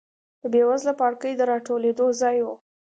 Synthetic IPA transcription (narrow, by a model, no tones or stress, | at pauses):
d̪̥əbewazlapɑɽkəjd̪əɾɑʈoled̪ozɑjwu